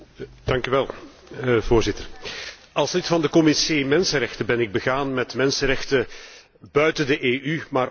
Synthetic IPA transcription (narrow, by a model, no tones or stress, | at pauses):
d̥ɑŋkyʋɛlˠ | voːrzɪtər | ɑlˠslɪtfɑndəkɔmiseːmɛnsənrɛxtəbɛnɪɡ̚bəɣaːnmɛtmɛnsərɛxtə | bœɥtəndəʔeːʔymaːr